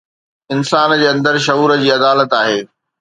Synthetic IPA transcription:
ɪnsaːnd͡ʑeːɐ̃nd̪əɾʃɐuːɾəd͡ʑiːɐd̪aːlət̪aːɦeː

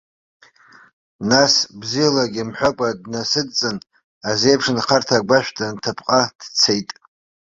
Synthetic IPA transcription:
nasbzijalaɡʲɪmħʷᶣakʷʼadnasɨdt͡sʼɨn | aze̞jpʰʂnqʰartʰaɡʷaʃᶣdantʰapʰqʼad̥t͡sʰejtʼ

